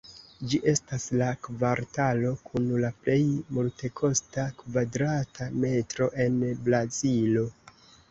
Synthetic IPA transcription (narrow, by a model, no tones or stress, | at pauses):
d͡ʒiʔe̞staslakvaɾtalo̞kʰunlaple̞jmulte̞kʰo̞stakvadɾatʰame̞tɾo̞ʔe̞nblazilo̞